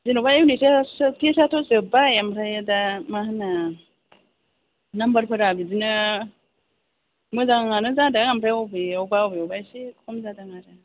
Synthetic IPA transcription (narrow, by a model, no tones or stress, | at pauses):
zinubajwnisestʰisatʰozɯbajamsajadamahana | nambəɾpʰɯɾabizinɯ | mɯzaŋŋanɯzadaŋampʰɾaowbiawbaowbiobajsikʰɔmzadaŋaɾa